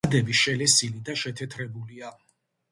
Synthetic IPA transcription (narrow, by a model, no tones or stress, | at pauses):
d̪ɛbiʃɛlɛsilid̪aʃɛt̪ʰɛt̪ʰɾɛbulia